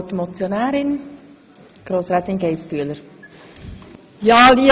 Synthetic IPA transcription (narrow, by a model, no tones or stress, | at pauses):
t̪omot͡sjonæːɾɪn | ɡ̥ɾoːsɾɛːt̪ɪnɡeɪsfyələɾ | jɑːli